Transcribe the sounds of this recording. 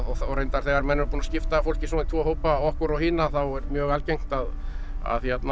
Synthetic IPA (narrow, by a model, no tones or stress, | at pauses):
ɔɔɣɾejnt̪aɾ̥θɛɣaɾmɛnːʏɾpuːnascɪft̪afowl̥cɪsɔːnt̪ʰvɔːɦowpaɔhkʏɾawhiːnaθawɛɾmjœːɣalcejŋ̥t̪að | a̰ðçjɛt̪na